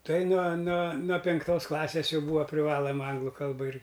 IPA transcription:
ˈtɐɪ nuɔ nuɔ nuɔ pʲɪŋkˈtoːs ˈklˠɑːsʲeːs ˈjɛʊ ˈbuːʋɐ pʲrʲɪˈʋɑːlˠɐmɐ ˈɐŋɡlˠʊ ˈkɐlˠbɐ ɪr

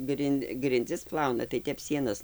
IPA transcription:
ˈɡrʲɪnʲ ɡrʲɪnʲˈd͡zʲɪs ˈplˠɐʊnɐ tɐɪ ˈtʲɛp ˈsʲiɛnɐs

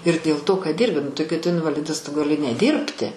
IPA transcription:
ɪr dʲeːlˠ toː kɐt ˈdʲiːrʲbʲɪ nʊ tɐɪ kɐɪ tʊ ɪnʋɐˈlʲɪdɐs tʊ ɡɐˈlʲɪ nʲɛˈdʲiːrʲpʲtʲɪ

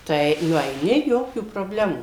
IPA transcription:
tɐɪ nʊɛɪˈnʲɪ ˈjoːkʲuː proːbʲˈlʲæːmuː

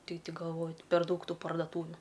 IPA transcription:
ˈtʲɪk tʲɪ ɡɐlˠˈʋoː pʲɛr ˈdɐʊk ˈtuː pɐrdɐˈtuːʋʲʊ

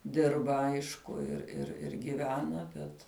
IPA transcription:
ˈdʲɪrbɐ ˈɐɪʃkʊ ɪr ɪr ɪr ɡʲɪˈʋʲæːnɐ ˈbʲɛt

